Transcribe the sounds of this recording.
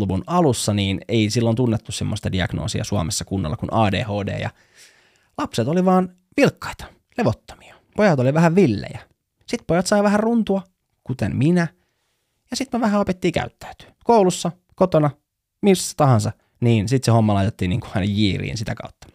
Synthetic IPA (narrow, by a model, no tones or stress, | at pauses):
luʋunɑlusːɑniːneisilːont̪unːet̪ːussemːost̪ɑdiɑ̰ɡ̥no̰ːsiɑ̰suɑ̰mesːɑkunːɑ̰lːɑkunʔɑːdḛːhoːdḛːjɑ̰ | lɑpset̪oliʋɑːn | ʋilkːɑ̥it̪ɑ̥ | leʋot̪ːo̥mi̥ɑ | pojɑt̪oliʋæhæʋʋilːḛjæ | sit̪pojɑt̪sɑiʋæhærrunt̪uɑ | kut̪ḛmminæ | jɑsit̪meʋæɦæopet̪ːiːkæ̰yt̪ːæ̥yt̪y̥ːkoulusːɑ | kot̪onɑ | misːæ̥t̪ɑhɑnsɑ | niːnsit̪seho̞mːɑlɑjt̪et̪ːiːniːŋku̥ɑinejjiːrḭːnsit̪ækɑ̰ut̪ːɑ̥